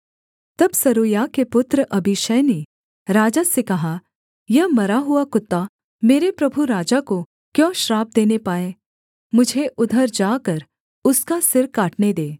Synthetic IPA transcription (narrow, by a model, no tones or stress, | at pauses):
t̪ɐbsɐɾoːjakepʊt̪ɾəʔɐbʱɪʃəːne | ɾaːd͡ʒasekɐɦa | jɐɦmɐɾaɦʊakʊt̪ːa | meːɾepɾɐbʱuɾaːd͡ʒako | kjɔ̃ːʃɾaːb̚d̪eːnepaːẽː | mʊd͡ʒʱeʔʊd̪ʱəɾd͡ʒaːkɐɾ | ʊskasɪɾkaːʈned̪eː